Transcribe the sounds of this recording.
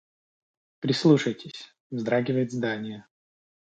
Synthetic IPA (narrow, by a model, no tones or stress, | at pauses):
pɾʲɪslˠuʂəjtʲɪsʲ | vzd̪ɾaɡʲɪvəjɪt̪zd̪anʲɪjə